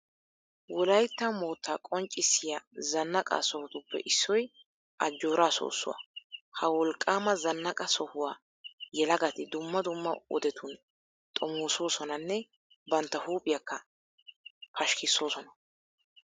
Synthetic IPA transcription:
wɔlɐjt̪ːɐmoːt̪ːaːkʼɔnt͡ʃʼːɪsːɪjazɐnːɐkʼa̰sɔhʊt̪ʊpːɛ̰ʔɪsːɔj | ʔɐd͡ʒːo̞ːɾaːso̰ːsːʊ̰wa̰hɐwɔlkʼːaːmɐzɐnːɐkʼɐsɔhʊwaː | jɛlɐɡɐt̪ɪd̪ʊmːɐd̪ʊmːɐ̰ɔ̰d̪ɛt̪ʰʊn | t̪ʼɔmoːso̞ːsɔnɐnːɛ | bɐnt̪ːɐhuːpʼɪjɐkːɐ | pʰɐʃkɪsːo̞ːsɔnɐ

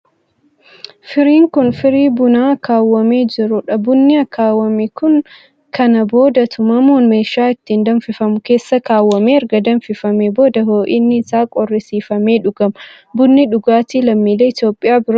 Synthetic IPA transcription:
fɪɾiːŋkʊnfɪɾiːbʊnaːɐkaːwːɐme̞ːd͡ʒɪɾʊᶑɐbʊnːɪɐkaːwːɐmikʊn | kʰɐnɐbo̞ːd̪ɐt̪ʰʊmɐmoːnmeːʃːaːɪt̪ːiːnd̪ɐnfɪfɐmʊke̞ːsːɐkaːwːɐmeːɐɾɡɐd̪ɐnfɪfɐmeːbo̞ːd̪ɐɦo̞ːʔiːnːɪɪsaːkʼɔrːɪsiːfɐme̞ːᶑʊɡɐmɐ | bʊnːɪᶑʊɡaːt̪iːlɐmːiːleːɪt̪jo̞ːpʼːɪjaːbɪɾɐ

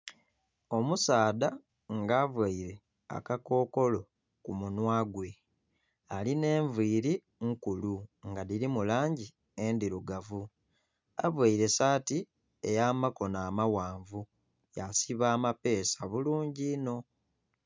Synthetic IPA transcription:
o̞musaːda | ŋɡaːvwaiɾe̞ | a̰kako̞ːko̞lo̞ | kumunwaːɡwe̞ | aline̞ːɱviːɾi | ŋkuluŋɡaðiɾimulaːɲɟi | e̞ndiɾuɡavu | a̰vwaiɾe̞saːti | e̞̰jaːmako̞naːmawaːɱvu | jasiβaːmape̞ːsaβuluːɲɟino̞

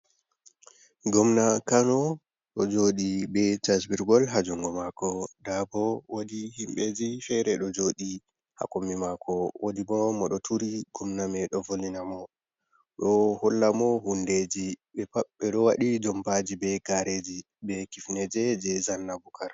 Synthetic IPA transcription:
ɡɔmnakanɔ | ɗɔd͡ʒoɗibɛd͡ʒasbiɾɡɔlɦad͡ʒuŋɡɔmakɔdabɔwodihimɓed͡ʒifɛɾɛɗɔd͡ʒoɗi | ha̰komːimakɔwodibɔmɔɗɔtʰuɾiɡ̥ɔmnamɛɗɔvolinamɔ | ɗɔhɔlːamɔhunded͡ʒiɓɛpaɓːɛɗɔwaɗid͡ʒɔmpad͡ʒibɛɡaɾʔed͡ʒi | bɛkifnɛd͡ʒɛd͡ʒɛzanːabukʰaɾ

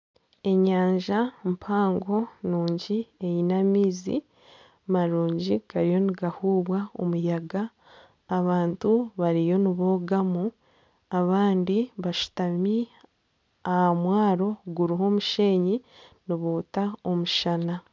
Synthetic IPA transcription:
e̞ɲaːɲʒampʰaːŋɡo̞nuːɲɟie̞jinamiːzḭ | maɾuːɲɟiɡaɾijo̞niɡahuːβwao̰mujaɡaː | βaːntuβaɾijo̞niβo̞ːɡamu | aβaːndiβaʃu̥tami | ahamwaːɾo̞ɡuɾiɦo̞ːmuʃe̞ːɲiniβoːtao̞muʃana

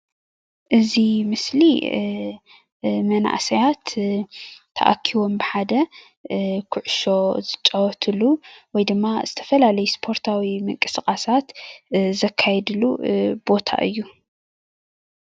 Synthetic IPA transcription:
ʔɨzimɨsli | mɐna̰ʔsɐjat̪ | t̪ʰːɐ̰ʔa̰kʰːiwo̞mbɨħad̪ɐ | kʰʊʕʊʃo̞zɨt͡ʃʼɐwɔt̪ʰɨluwɔjd̪ɨmːaz̥ɨt̪ʰɐ̥fɐlalɐjuspʰo̞ɾt̪ʰawimɨŋkʼɨskʼasat̪zɐkʰːajɛd̪ɨlub̥o̞t̪ʰa̰ʔɨ̰jːu

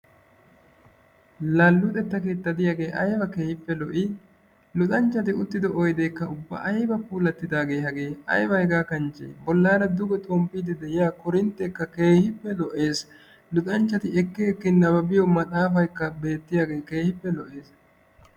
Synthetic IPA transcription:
lalːʊt̪ʼɛt̪ːɐket̪ːɐd̪ɪjaːɡe̞ːʔɐjbɐke̞ːhɪpːɛlɔʔɪ | lʊt̪ʼɐnt͡ʃːɐt̪ɪʊt̪ːɪd̪ɛʔɔjd̪ekːɐʊbːɐ̰ʔɐjbɐpuːlɐt̪ːɪd̪aːɡe̞ːhɐɡe̞ːɐ̰jbɐhɛɡaːkɐnt͡ʃḛːbɔlːaːɾɐd̪ʊɡɛt̪ʼɔmpːiːd̪ɪd̪ɛjaːkʊɾɪnt̪ːɛkːɐke̞ːhɪpːɛlɔʔe̞ːs | lʊt̪ʼɐnt͡ʃːɐt̪ɪɛkːɪɛkːɪnɐbɐbɪjɔmɐt̪ʼaːfɐjkːɐbe̞ːt̪ːɪjaːɡe̞ːke̞ːhɪpːɛlɔʔe̞ːs

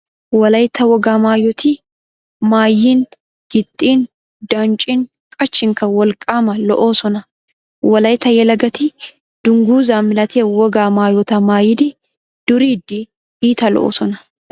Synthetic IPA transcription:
wɐlɐjt̪ʰːɐwɔɡaːmaːjɔt̪i | maːjːiːn | ɡ̥ɪt̪ʼːiːn | d̪aːnt͡ʃʼin | kʼɐt͡ʃːɪŋkɐwɐlkʼaːmɐlɔʔoːsɔnɐ | wɐlɐjt̪ːɐjɛlɐɡɐt̪i | d̪̥ʊŋɡuːzaːmɪlɐt̪ʰeːwɔɡaːmaːjɔt̪ɐmaːjɪd̪ɪ | d̪̥ʊɾiːd̪i | iːt̪ɐlɔ̰ʔo̰ːsɔnɐ

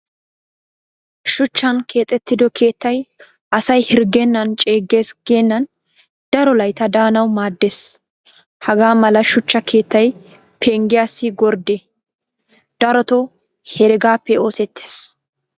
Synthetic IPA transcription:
ʃʊt͡ʃːɐnkʰe̞ːt̪ʼɛt̪ːɪd̪ɔke̞ːt̪ːɐj | ʔɐsɐjhɪɾɡɛnːɐnt͡ʃʼe̞ːɡːe̞ːsɡ̥eːnːɐn | d̪̥ɐɾɔlɐjt̪ɐd̪aːnɐwmaːd̪ːes | hɐɡaːmɐlɐʃʊt͡ʃːɐkʰe̞ːt̪ːɐj | pʰeŋɡɪjasːɪɡɔɾd̪e | d̪̥ɐɾɔt̪ɔ | hɛɾɪɡaːpːɛo̞ːsɛt̪ːe̥ːs

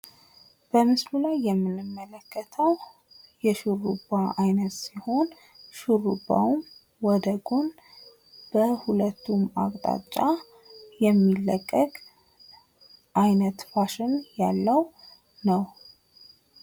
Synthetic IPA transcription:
b̥əmɨslulajːɛmːɨnːɨmːələkʰːət̪ʰəw | jɛʃuɾubaʔajnət̪siho̞n | ʃuɾubːa̰um | wɔd̪əɡon | b̥əhulət̪ːuma̰kʼt̪ʼa̰t͡ʃʼːa | jɛmːilːəkʼːəkʼ | ʔajnət̪faʃɨnjalːəw | nəw

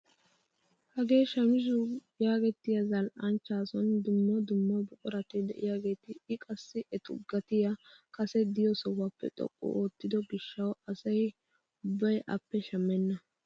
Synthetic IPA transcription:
hɐɡe̞ːʃɐmɪʃ̬ʊ | jaːɡɛt̪ːɪjɐzɐlʔɐnt͡ʃːaːsɔnd̪ʊmːɔd̪ʊmːɔbʊkʼɔɾɐt̪ɪd̪ɛ̰ʔɪ̰jaɡe̞ːt̪ɪɪkʼɐsːɪʔɛt̪ʊ̰ɡːɐt̪ɪjakʼɐsɛd̪ɪjɔsɔwɐpːɛ̰t̪ʼɔ̰kʼːʊ̰ʔoːt̪ːɪd̪ɔɡɪʃːɐwɐsɐj | ʊbːɐjʔɐpːɛʃɐmːɛnːɐ

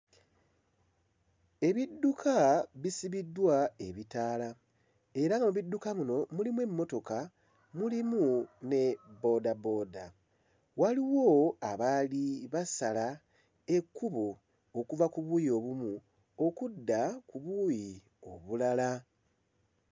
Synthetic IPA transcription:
e̞βidːukʰaβisiβidwae̞βitaːla | e̞ɾaŋɡamuβidːukamuno̞mulimwe̞mːo̞to̞ka | mulimune̞bo̞dabo̞ːda | waliwo̞aβaliβasala | e̞kːuβo | okuvakuβuːjio̞βumu | o̞kudːakuβuji | o̞̰βulala

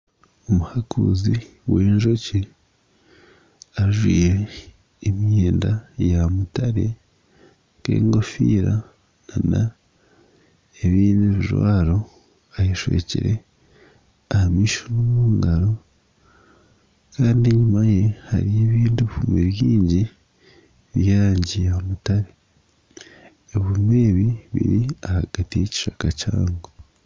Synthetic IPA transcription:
omuhakʰṵziwe̞ːɲʒo̞ci | aʒwiːjeː | mjeːndajamutaɾe̞ | ke̞̰ːŋɡo̞fiːɾa | nana | eβiːndiβiʒwa̰ːɾo̞ | ajeʃwḛːcḭɾe̞̰ | ahamiːʃonomuːŋɡaɾo̞ | kaːndieɲumaje̞ha̰ɾije̞ːβiːndiβifumeβjiːɲɟi | βjaːɾaːɲɟijeomutaɾe | eβume̞ːβiβḭɾiahaɡ̥atijeci̥ʃakaca̰ːŋɡo

